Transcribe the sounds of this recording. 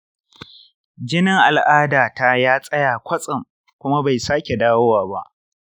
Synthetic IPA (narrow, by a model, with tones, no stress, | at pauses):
d͡ʒɪ˦nɪ˦ŋʔa˨lʔaː˦daː˨ta˦jaː˦sʼɐ˦jaː˨kʷʰɐ˦sʼɪ˨ŋ | kʷʊ˦ma˦ba˨jsaː˦kʲe˨daː˦wo˦waː˨ba˦ʔ